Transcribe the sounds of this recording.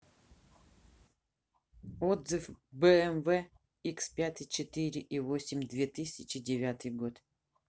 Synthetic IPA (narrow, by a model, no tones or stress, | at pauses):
od̪zɨfbɛɛmvɛ | ikspʲat̪ɨt͡ɕɪt̪ɨɾʲɪʔivosʲɪmʲd̪vʲet̪ɨsʲɪt͡ɕɪdʲɪvʲat̪ɨjɡot̪